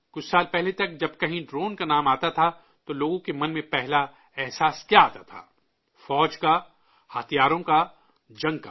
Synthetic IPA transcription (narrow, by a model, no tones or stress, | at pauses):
kʊt͡ʃʰsaːlpɛɦlet̪ɐk̚d͡ʒɐb̚kɐɦĩɖɾoːnkanaːmaːt̪at̪ʰa | t̪oloːɡõkemɐnmẽpɛɦla | ɛɦsaːskjaaːt̪at̪ʰa̰ː | fɔːd͡ʒka | hat̪ʰijaːɾõka | d͡ʒɐ̃ŋɡka̰ː